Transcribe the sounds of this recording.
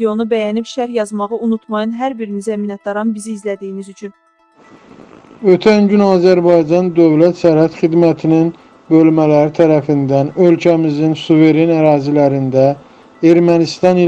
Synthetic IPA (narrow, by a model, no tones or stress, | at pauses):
o̞nubæjænibʃæɾjɑzmɑʁɯunut̪ʰmɑjɯnɦæɾbiɾinizæminɑt̪̚d̪ɑɾɑnbiziːzlæd̪ijinizyt͡ʃʰyn | ø̞t̪ʰænɟynɑːzæɾbɑjd͡ʒɑnd̪ø̞vlæt̪sæɾhæt̪χid̪mæt̪ʰinin | bø̞lmælæɾit̪ʰæɾæfind̪ænølcʰæmizinsuve̞ɾenæɾɑːzilæɾind̪æ | e̞ɾmænist̪ɑni